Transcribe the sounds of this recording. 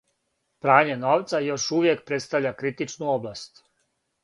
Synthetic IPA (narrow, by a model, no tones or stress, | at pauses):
pɾaːɲe̞no̞ːʋt̪sajo̞ʃuʋje̞k̚pɾe̞t̪st̪aʋʎakɾit̪it͡ʃnuoblast̪